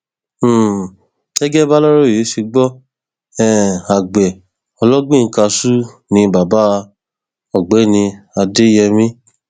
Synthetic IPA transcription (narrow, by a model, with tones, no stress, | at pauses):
ɛ˦ɡɛ˦ba˦lɔ˦ɾo˦˨e˨˦ʃe˧ɡ͡bɔ˦ | ɛ̃˦˨a˨ɡ͡bɛ˨ | ɔ˧lɔ˦ɡ͡bĩ˦˨˦ka˧su˦ | nĩ˧ba˨ba˦˧ | ɔ˨ɡ͡bɛ˨˦nĩ˧a˧de˦jɛ˧mĩ˦